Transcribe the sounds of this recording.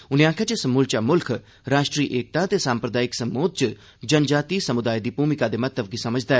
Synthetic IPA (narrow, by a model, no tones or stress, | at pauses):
ʊnẽãːkʰet͡ʃəsɐmuːlt͡ʃamʊlkʰ | ɾaːʃʈɾiːʔeːk̚t̪ãt̪esãːmpɾəd̪aːɪksɐmoːd̪̚t͡ʃ | d͡ʒɐnd͡ʒaːt̪isɐmʊd̪aːid̪ipuːmɪkad̪emɐt̪ːəbɡisɐməd͡ʒd̪aɛ